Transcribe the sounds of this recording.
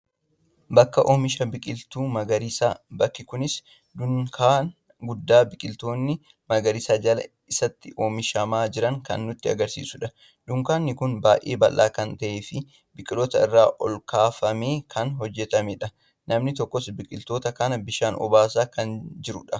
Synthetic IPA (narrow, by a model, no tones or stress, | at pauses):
bɐkːɐʔoːmɪʃɐbɪkʼɪlt̪uːmɐɡɐɾɪsaːbɐkːɪkʊnɪs | dʊkʰaː | ɡʊd̪ːaːbɪkʼɪlt̪oːnːɪ | mɐɡɐɾɪsaːd͡ʒɐlɐ̰ | ɪsɐt̪ːɪʔoːmɪʃɐmaːd͡ʒɪɾɐŋkɐ̰nːʊt̪ːɪɐ̰ɡɐɾsḭːsʊᶑɐ | d̪ʊŋkaːnːɪkʊnbaːʔḛːbɐlʔːa̰ːkɐnt̪ɐʔeːfɪ | bɪkʼɪlɔt̪ɐɪrːaːʔɔlkʰaːfɐme̞ːkʰɐnɦɔd͡ʒːɛt̪ɐmeᶑɐ | nɐmnɪt̪ɔkːɔsbɪkʼɪlt̪o̞ːt̪ɐkɐnɐbɪʃaːnʔɔ̰baːs̬aːkɐnd͡ʒɪɾʊ̰ᶑɐ